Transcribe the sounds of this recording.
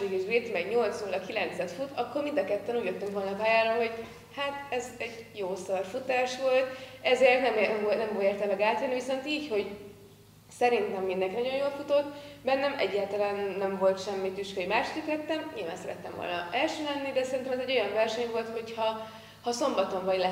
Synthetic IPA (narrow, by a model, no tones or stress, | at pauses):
iɡiʒbit̪mɛɡɲo̞lt̪soːlɒkilɛnt̪sɛt̪fut̪ɒkːo̞rmind̪ɒkɛt̪ːɛnuːɟlɛkt̪yŋkvo̞lnɒpaːjaːɾolɦo̞ɟ | hat̪ɛzɛɟjoːsɒrfut̪aːʃʋo̞lt̪ɛzeːrt̪nɛmɛmnɛmvoeːrt̪ɛmɛɡaːt̪ɛnːiviso̞nt̪iːcho̞ɟ | sɛɾint̪ɛmːind̪ɛŋkinɒɟo̞jjoːlfut̪o̞t̪ːbɛnːɛmɛ̰ɟːaːlt̪ɒlaːnːɛɱvo̞lt̪ʃɛmːit̪yʃkøjimaːʃt̪yklɛt̪ːɛmɲilvaːnsɛɾɛt̪ːɛmvo̰lnɒ̰ɛlʃøːlɛnːid̪ɛsɛɾint̪ɛmɛzɛɟːo̞jɒɱvɛrʃɛɲvo̞lt̪ho̞chɒ | hɒso̞mbɒt̪o̞ɱvɒɟlɛ